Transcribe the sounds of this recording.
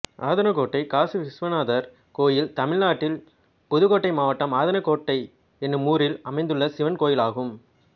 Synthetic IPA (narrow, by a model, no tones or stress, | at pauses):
aːðɐnɐkoːʈːɐɪkaːsiʋɪsʋɐnaːðɐɾ | koːjɪlt̪ɐmɪɭnaːʈːɪl | pʊðɯɣoːʈːɐɪmaːʋɐʈːɐmaːðɐnɐkoːʈːɐɪ | ɛnːɯmuːɾɪlɐmɐɪnd̪ɯɭːɐsɪʋɐnkoːjɪlaːɣɯm